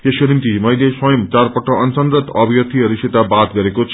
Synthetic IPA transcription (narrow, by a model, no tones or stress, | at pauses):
esonint̪imʌjleswʌjʌmt͡sarpʌʈːʌʌnsʌnd̪ɾʌt̪ʌbʱijʌt̪ʰiʌɾiset̪abat̪̚ɡʌɾekot͡sʰ